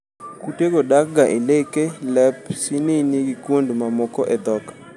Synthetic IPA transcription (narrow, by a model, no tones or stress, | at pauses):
kuteɡodak̚ɡaʔelekelɛpsineniɡikwondmamɔkɔʔɛd̪ɔkḁ